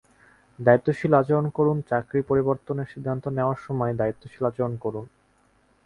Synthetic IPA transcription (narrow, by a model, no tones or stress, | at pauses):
d̪ait̪ːoʃilat͡ɕeɾonkoɾunt͡ɕakɾipoɾiboɾt̪oneɾʃid̪ʱːant̪oneoaɾʃɔmɔed̪ait̪ːoʃilat͡ɕeonkoɾun